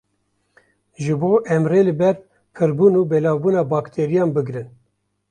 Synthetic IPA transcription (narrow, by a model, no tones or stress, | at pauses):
ʒɨboːʔɛmreːlɨbɛɾ | pʰɨɾbuːnuːbɛlɑːwbuːnɑːbɑːkt̪ʰeːɾijɑːnbɨɡɾɨn